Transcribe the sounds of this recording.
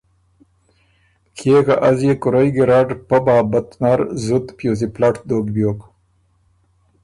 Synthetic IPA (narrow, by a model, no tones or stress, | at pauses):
kʰeːkaʔɐzjekʊɾɐjɡeɾaːɖpɐbaːbɐt̪naɾzut̪pjoːs̬iplaʈʰd̪oːɡbjoːk